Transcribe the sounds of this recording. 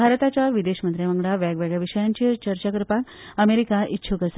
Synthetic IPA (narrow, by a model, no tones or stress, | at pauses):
aɾt̪at͡ɕjaʋid̪eɕmənt̪ɾjaʋəŋɡɭaʋjaɡʋaɡɭjaʋiʂəjaɲt͡ɕit͡ɕəɾt͡ɕakɾpak | əmeɾikaʔitːɕʰukəs